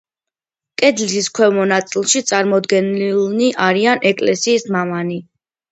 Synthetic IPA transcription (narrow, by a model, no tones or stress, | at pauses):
kʼɛd̪lisiskʰwɛvmɔnat̪sʼilˠʃit̪sʼaɾmɔd̪ɡɛnlniʔaɾianɛkʼlɛsiːsmamani